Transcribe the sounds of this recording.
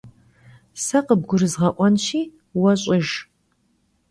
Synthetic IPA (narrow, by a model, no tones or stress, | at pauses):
sɐqəb̚ɡʷʊɾɨzʁɐʔʷʼɔnʃiː | wɐɕʼɪʒ